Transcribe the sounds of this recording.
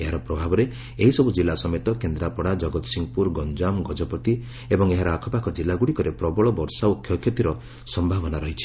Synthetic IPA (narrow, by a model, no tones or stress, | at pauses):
eɦaɾɔpɾɔbʱabɔɾe | eɦisɔbud͡ʒilːasɔmet̪ɔkend̪ɾapɔɽad͡ʒɔɡɔt̪ɔ̥siŋɡɔpuɾɡɔnd͡ʒamɡɔd͡ʒɔpɔt̪i | ebɔŋeɦaɾɔakʰɔpakɔd͡ʒilːaɡuɽikɔɾepɾɔbɔɭɔbɔɾsaukʰjɔkʰjɔt̪iɾɔ | sɔmbʱabɔnaɾɔɦit͡ʃʰi̥